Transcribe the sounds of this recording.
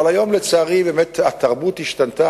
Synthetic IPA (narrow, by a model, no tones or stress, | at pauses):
alajomlet͡saːʁibemet̪at̪ːaʁbuːt̪hiʃt̪ant̪a